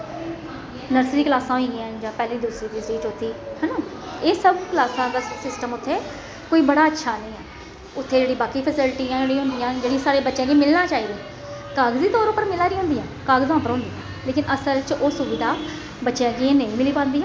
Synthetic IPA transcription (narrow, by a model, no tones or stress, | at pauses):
nəɾsɾiːklaːsãːɦoĩːɡiãːd͡ʒãːpɛːliːd̪ʊsɾiːd̪isɾiːt͡ʃʊt̪ʰːiːhɛnoːeːsəbkəlaːsãːd̪aːsɪsʈəmʊt̪ʰːeː | koːiːbəɽaːətːʃʰaːnəĩːɛː | ʊt̪ʰːeːd͡ʒeːɽiːbaːkiːpʰəsɪlʈiːãːɽĩːɦʊ̃nd̪ijãːd͡ʒeːɽĩsaːɽeːbətːʃãːɡiːmɪlnãːt͡ʃaːiːd̪ĩː | kaːɡziːt̪ɔːɾʊpːəɾmɪlaːɾiːõːnd̪iːãːkaːɡzãːpəɾɦõːnd̪iːãː | leːkɪnʔəsəlt͡ʃoːsʊbɪd̪aː | bətːʃãːɡiːnəĩːmɪliːpãːnd̪iːã